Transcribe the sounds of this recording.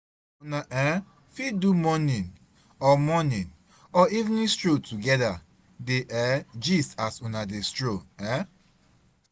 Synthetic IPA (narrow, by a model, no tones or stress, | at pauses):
unaʔɛ̃ | fidumɔnĩn | ɔmɔnĩn | ɔivnĩstɹotuɡɛda | deʔɛd͡ʒisasunadestɹoɛ̃